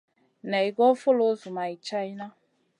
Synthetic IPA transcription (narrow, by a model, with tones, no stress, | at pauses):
nɛ˨i˨ɡɔ˦fʊ˦lo˦zu˨ma˨i˨t͡ʃa˦i˦na˦